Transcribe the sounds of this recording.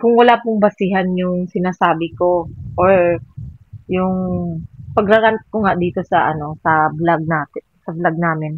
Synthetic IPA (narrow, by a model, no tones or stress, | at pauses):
kʊŋwɐlaːpʊŋbɐsɪɦɐnjʊŋsɪnaːsaːbɪkoʔoɹ | jʊŋ | pɐɡɾɐɾɐnt̪̚koŋaʔd̪iːt̪o̞sɐʔɐno̞sɐblaɡ̚naːt̪ɪnsɐblaɡ̚naːmɪn